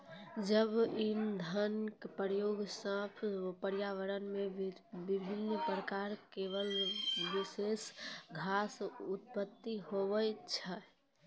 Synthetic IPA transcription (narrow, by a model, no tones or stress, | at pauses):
d͡ʒəbind̪ʱənkpəɾjoːɡsə̃pʰpəɾjaʋəɾənmebibʱinːpɾəkaɾkeʋəlʋisesɡʱasut̪̚pət̪ːiɦoʋət͡ʃʰɛ